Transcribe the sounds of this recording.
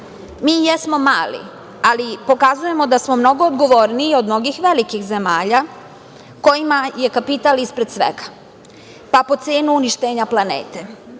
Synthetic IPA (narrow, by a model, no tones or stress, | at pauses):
miːjesmo̞maːlḭ | alipo̞kazuje̞mo̞d̪asmo̞mno̞ɡo̞ːd̪ɡo̞ʋoɾniːo̞d̪mno̞ɡixʋelikixze̞maːʎa | ko̞jimaje̞kapit̪alispɾed̪sʋḛɡḁ | papo̞t̪seːnuuniʃt̪eːɲaplˠanḛːt̪e̞